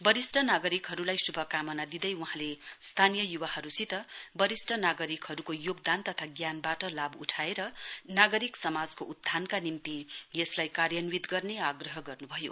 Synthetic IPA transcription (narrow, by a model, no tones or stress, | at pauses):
bʌɾisʈʰʌnaɡʌɾikɦʌɾulajsubʱʌkamʌnad̪id̪ʌjwuɦãlest̪ʰanijʌjubahʌɾusit̪ʌbʌɾisʈʰʌnaɡʌɾikhʌɾukojoɡd̪ant̪ʌt̪ʰaɡjanbaʈʌlabuʈʰaeɾʌnaɡʌɾiksʌmad͡zkoʔut̪ʰːankanimt̪ijeslajkarjʌnwid̪ɡʌrneaɡrʌɦʌɡʌrnubʱʌjo̰